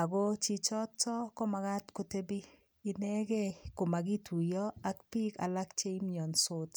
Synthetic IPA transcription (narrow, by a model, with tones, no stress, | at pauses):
a˨ɡo˦t͡ʃi˦t͡ʃɔ˦tɔ˦kɔ˦ma˨ɡa˦tko˨te˦bi˦ | i˨nɛ˦ɡe˦ko˨ma˨ɡi˦tʰu˨jɔ˦a˨kpi˦ka̰˨la˦kt͡ʃe˦mɲɔ˨nso˦t